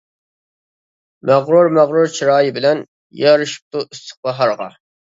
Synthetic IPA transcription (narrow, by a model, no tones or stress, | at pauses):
mæʁɾuɾmæʁɾuɾt͡ʃʰiɾɑːjɨbɪlɛn | jɑɾɨʃi̥p̚t̪uʔyst̪ʰə̥q̚ɑɦɑɾʁɑ̰